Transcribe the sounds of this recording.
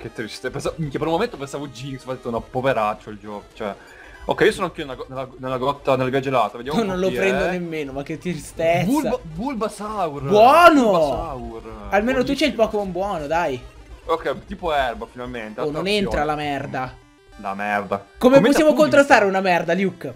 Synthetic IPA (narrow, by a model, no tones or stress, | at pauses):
ket̪ːɾist̪epensamikep̬eɾulmoment̪opensavod͡ʒiŋsfad̪et̪ːunapoveɾat͡ʃːoild͡ʒɔːko̥t͡ʃoɛ | o̰kːɛjiosoːnoaŋk̟ionelaɡɔnelːanelːaɡɔt̪ːanelavjad͡ʒelat̪aved̪jamnõnlofɾend̪onemːeːnomak̟ːet̪ːɾist̪ebsulːabulbasawrbwɔːnoawralmeːnot̪ut͡ʃɛilpɔkomombwɔːnod̪ajokːɛt̪iːpoɛrbafinalment̪enonent̪ɾalamɛrd̪a | la̰mɛrd̪akomemosːamokont̪ɾast̪aːɾeunamɛrd̪aljukː